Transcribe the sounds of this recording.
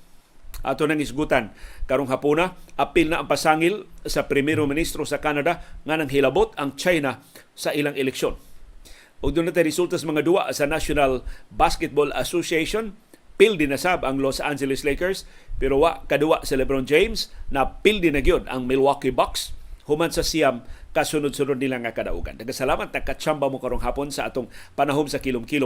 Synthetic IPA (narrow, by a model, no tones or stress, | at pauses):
ʔa̰ːt̪onɐŋɪsɡut̪ankaɾoŋɦapunaʔapɪlnaʔːŋpasaŋɪlsɐpɾɪmɛɾomɪnist̪ɾosakanad̪aŋanɐŋɦɪlabot̪aŋt͡ʃajna | saʔilaŋɪlɛkʃon | ʔʊɡ̚d̪ʊnat̪ajɾɪsult̪asamɐŋad̪ʊwa̰ʔsɐnaʃonalbaskɛt̪̚bola̰sosiejʃonpɪld̪ɪnasabaŋlosʔand͡ʒɛlɪslejkɛɹspɛɾowaʔkad̪ʊwaʔsɪlɛbɾond͡ʒejmsnɐpɪld̪ɪnaɡajod̪a̰ŋmɪlwakibakshʊmansɐsiamkasʊnʊd̪̚sʊnʊd̪̚nɪlaŋakɐd̪a̰ʔṵɡa̰nd̪aɡasalaːmat̪̚nakat͡ʃambamokɐɾonɦaːponsɐaʔa̰t̪oŋpanaɦomsɐkilʊmkilo